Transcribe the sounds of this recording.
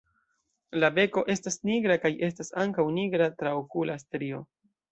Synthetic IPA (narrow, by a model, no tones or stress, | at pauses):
labe̞ko̞ʔe̞stasniɡɾakajʔe̞stasaŋkawniɡɾatɾaokulastɾio̞